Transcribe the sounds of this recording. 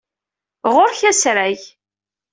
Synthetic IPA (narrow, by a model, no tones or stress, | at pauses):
ʁʊɾçæsɾæʝ